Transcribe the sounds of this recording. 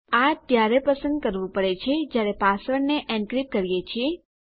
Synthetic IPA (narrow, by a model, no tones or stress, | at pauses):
at̪jaɾepəsə̃nd̪̚kəɾʋũpəɽet͡ʃʰed͡ʒjaɾepasəɾneʔɛ̃ɳɖkɾip̚kəɾijet͡ʃʰie